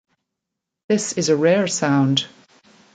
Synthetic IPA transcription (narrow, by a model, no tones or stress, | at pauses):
ðɪsɪzəɹɛːɹsãʊ̃nd̥